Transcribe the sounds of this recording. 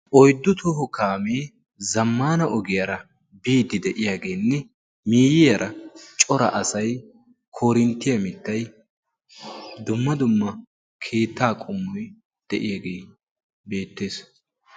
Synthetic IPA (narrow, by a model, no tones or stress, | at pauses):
ʔɔjd̪ːʊt̪ʊhʊkaːmeː | zɐmːaːnɐʔɔɡɪjɐɾɐ | biːd̪ɪd̪ɛʔɪjaːɡeːnːɛ | miːjɪjɐɾʔɐt͡ʃʼɔɾɐ̰ʔɐsɐj | kʰoːɾɪnt̪ːɪjɐmɪt̪ːɐj | d̪ʊmːɐd̪ʊmːɐ | kʰe̞ːt̪ːaːkʼʊmːɔj | d̪̥ɛʔɪjaɡeː | be̞ːt̪ːe̞ːs